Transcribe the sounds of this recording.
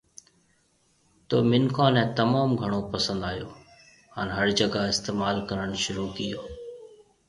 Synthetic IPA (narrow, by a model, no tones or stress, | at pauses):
t̪oːmɪnkʰaːnɛ̃t̪ɐmaːmɡʱɐɽ̃opɐsə̃nd̪aːjoː | haːnɦɐɾd͡ʑɐɡaɪst̪eːmaːlkɐɾəɽ̃ʃʊɾuːkijoː